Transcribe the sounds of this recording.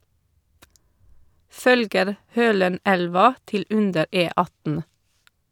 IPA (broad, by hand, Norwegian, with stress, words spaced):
ˈfœlɡəɾ ˈhøːləˌnælʋɑ ˈtɪl ˈʔʉndəɾ ˌʔeːˈɑtn̩